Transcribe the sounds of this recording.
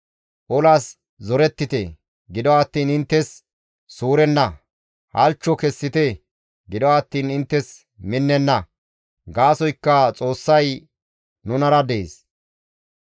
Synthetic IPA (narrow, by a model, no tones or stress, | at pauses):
ʔɔlaːs | zɔɾɛt̪ːɪt̪e | ɡɪd̪ɔaːt̪ːiːnɪnt̪ːɛsː | uːɾɛnːɐ | hɐ̰lt͡ʃːɔkɛsːɪt̪e | ɡɪd̪ɔwaːt̪ːiːnɪnt̪ːɛs | mɪnːɛnːɐ | ɡaːsɔjkːɐt͡sʼo̞ːsːɐj | nʊnɐɾɐd̪ḛːs